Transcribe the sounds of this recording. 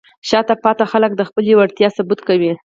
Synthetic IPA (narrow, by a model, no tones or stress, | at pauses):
ʃɑt̪apɑt̪axalək̚d̪əxpəlewaɽt̪jɑsabut̪kawi